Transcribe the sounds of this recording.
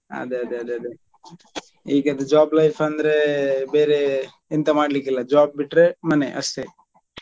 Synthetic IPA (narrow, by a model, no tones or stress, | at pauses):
ɐ̰d̪eɐd̪eɐd̪eɐd̪e | iːɡɐd̪ud͡ʒaːblɐjpʰɐnd̪ɾebeːɾe | int̪ɐmaːɖlik̬ilːɐd͡ʒaːb̚ːiʈːɾemɐneʔɐ̰st̪e